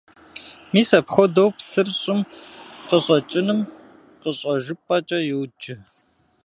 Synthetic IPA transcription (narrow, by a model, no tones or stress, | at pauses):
miːsɐpxʷɔdɐwpsɨrɕʼɪmqəɕʼɐt͡ʃʼɪnɨm | qəɕʼɐʒɪpʼɐt͡ʃʼɐjɪwd͡ʒɪ